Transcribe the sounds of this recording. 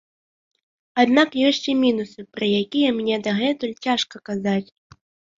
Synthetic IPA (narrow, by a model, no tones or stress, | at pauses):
ad̪nakjɔsʲt͡sʲimʲinusɨpɾɐjakʲijɛmʲnʲɛd̪ɐɣɛt̪ulʲt͡sʲaʂkɐkazat͡sʲ